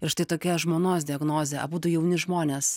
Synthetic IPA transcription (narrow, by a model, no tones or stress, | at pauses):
ɪɾʃt̪ɐɪt̪oːkʲɛʒmoːnoːsd̪ʲɪɛɡnoːzʲeːʔɐ̰buːt̪ʊjɛʊnʲɪʒmoːnʲeːs